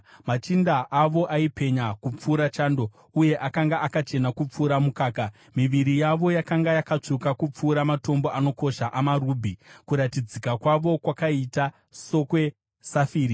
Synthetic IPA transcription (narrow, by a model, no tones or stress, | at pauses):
mat͡ʃindaʔaʋo̞ʔaipe̞ɲakup͡fuːɾat͡ʃaːndo̞ | uje̞ʔakaŋɡaʔakat͡ʃe̞nakup͡fuːɾamukaːka | miʋiɾijaʋo̞jakaŋɡajakat͡ʂukakup͡fuːɾamato̞mbo̞ʔano̞ko̞ʃaʔamaɾuːbʱikuɾatid͡zikakwaʋo̞kwakaita | so̞kwe̞ | safiːɾi